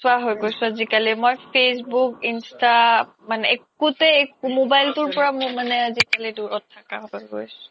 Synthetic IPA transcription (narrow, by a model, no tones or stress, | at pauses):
sʊaɦojɡojsʊ̃azikalimojpʰesbukinsta | manɛekutɛekumobajltʊɹpɔɹammanɛazikaliduɹɔtʰːakaɦo̰jɡo̰jsʊ̥